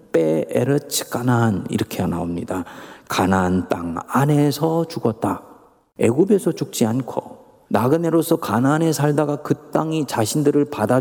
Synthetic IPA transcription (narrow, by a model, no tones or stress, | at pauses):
p͈eeɾɯt͡ɕʰi̥k͈ananḭɾʌkʰena̰omɲidakanant͈a̰ŋane̞sʰʌt͡ɕuɡʌt̚t͈a | e̞ɡube̞sʰʌt͡ɕuk̚t͡ɕ͈iankʰo̰ | naɡɯne̞ɾosʰʌkanane̞sʰaɭdaɡakɯt͈aŋit͡ɕaɕʰindɯɾɯɭpada